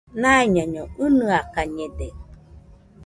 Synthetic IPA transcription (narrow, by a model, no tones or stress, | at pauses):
naiɲaɲɔɯnɯakaɲede